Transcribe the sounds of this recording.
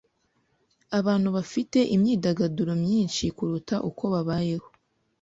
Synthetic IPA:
aβaːn̥huβafite̞ʔimɲiːdaɡaduɾo̞mɲiːnʃikuɾutaʔuko̞βaβaːje̞ho̞

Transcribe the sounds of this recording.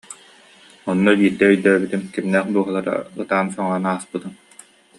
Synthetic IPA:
ɔnːɔbiːɾd̪ɛœjd̪œːbit̪imkimnɛːχd̪uɔɦɯlˠaɾa̰ɯt̪aːnsɔŋɔnaːspɯt̪ɯm

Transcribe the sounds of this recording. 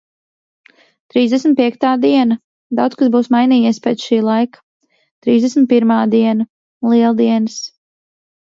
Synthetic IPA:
t̪ɾiːzd̪ɛsmʲt̪̚piɛk̚t̪aːd̪iɛna | d̪awt̪skasbuːsmajniːjɛspɛt̪sʃiːlˠajkḁ | t̪ɾiːzd̪ɛsmʲit̪̚piɾmaːd̪iɛna | lˠiɛlˠd̪iɛns

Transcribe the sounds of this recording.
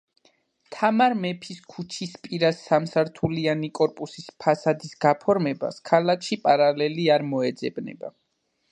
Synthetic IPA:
t̪ʰamaɾmɛpʰiskʰut͡ʃʰispʼiɾasːamsaɾt̪ʰulianikʼɔɾpʼusispʰasad̪isɡapʰɔɾmɛba̰skʰalakʰʃipʼaɾalɛliaɾmɔɛd̪zɛbnɛ̰ba̰

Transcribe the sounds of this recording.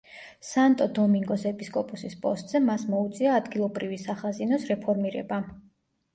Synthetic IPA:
sant̪ʼɔd̪ɔmiŋɡɔsɛpʼiskʼɔpʼusispʼɔst̪ʼz̥ɛmasmɔut̪sʼiaːd̪ɡilˠɔbɾivisaχazinɔsɾɛpʰɔɾmiɾɛ̰ba

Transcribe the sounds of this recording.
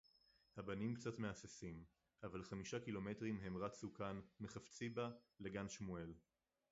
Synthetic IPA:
habanimkt͡satmeasesim | ʔavalχamiʃakilo̞me̞tʁimɦe̞mʁasukanmeχaft͡sibale̞ɡanʃmue̞l

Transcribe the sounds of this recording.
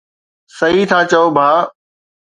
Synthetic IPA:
sɐɦiːt̪ʰaːt͡ɕɐoːbʱaː

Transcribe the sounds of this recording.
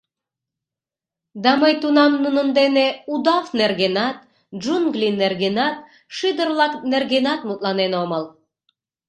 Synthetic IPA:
d̪ɑmɤjt̪unɑmnunɤ̆nd̪eneud̪afnerɡʲenat̪̚ | d͡ʒunɡlʲinerɡinat̪̚ | ʃɨd̪ərlˠɑknerɡʲenat̪mut̪lˠɑnenomɤlˠ

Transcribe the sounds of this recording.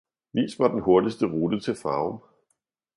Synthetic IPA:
ʋḭːsʋɑd̥enho̝ɐdisd̥əʁuːd̥ət͡sʰe̝lfɑ̈ːm

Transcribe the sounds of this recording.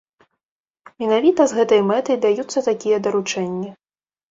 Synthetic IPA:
mʲɛnavʲit̪ɐzɣɛt̪ɐjmɛt̪ɐjd̪ajut̪sːɐt̪akʲijɐd̪ɐɾut͡ʂɛnʲːɐ

